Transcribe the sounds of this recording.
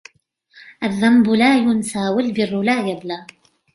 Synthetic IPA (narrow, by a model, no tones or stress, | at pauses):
ʔaðːambʊlaːjʊnsaːwalbɪrːʊlaːjablaː